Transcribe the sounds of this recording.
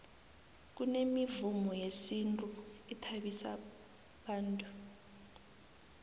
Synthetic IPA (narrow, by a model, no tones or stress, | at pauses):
k̬unemivumɔjesintʼuitʰaɓisa̰ | ɓaːntʼu